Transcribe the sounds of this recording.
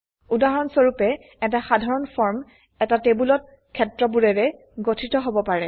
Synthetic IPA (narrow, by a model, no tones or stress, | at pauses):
udaɦɔnsoɹupɛ | ɛtaxadʱaɹɔnfʰɔɹm | ɛtatebulɔt̚ | kʰːɛtɹɔbuɹɛɹɛ | ɡotʰitɔɦobɔpaɹɛ